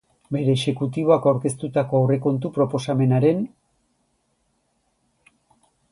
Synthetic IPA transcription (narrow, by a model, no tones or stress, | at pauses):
be̞ɾe̞ːʃe̞kut̪iβo̞akawɾke̞st̪ut̪ako̞awre̞ko̞nt̪̬upɾo̞po̞same̞naɾe̞n